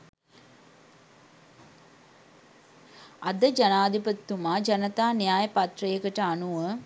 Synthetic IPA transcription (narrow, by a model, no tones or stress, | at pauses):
ɐd̪əd͡ʒɐnaːd̪ipət̪ːumaːd͡ʒɐnət̪aːnijaːjəpɐt̪rəjəkəʈəanuʋə